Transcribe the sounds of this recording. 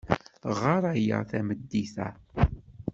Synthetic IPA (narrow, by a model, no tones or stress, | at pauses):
ʁaɾˤæjə̰θæməd̪ːiθæ̰